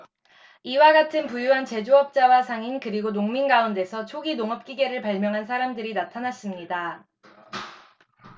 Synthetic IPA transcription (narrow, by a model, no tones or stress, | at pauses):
iwaɡatʰɯnpujuɦant͡ɕe̞d͡ʑoʌp̚t͡ɕ͈awasʰaŋinkɯɾiɡonoŋminɡaunde̞sʰʌt͡ɕʰoɡinoŋʌp̚k͈iɡe̞ɾɯɭpaɭmjʌŋɦansʰaɾamdɯɾinatʰanas͈ɯmɲida